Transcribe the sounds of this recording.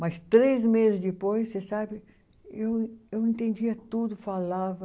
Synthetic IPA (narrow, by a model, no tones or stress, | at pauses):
mɐst̪ɾezmezɪzd̪ipojsːesabɪ | ewewẽnt̪ẽnd͡ʒiɐt̪ud̪ʊfalavɐ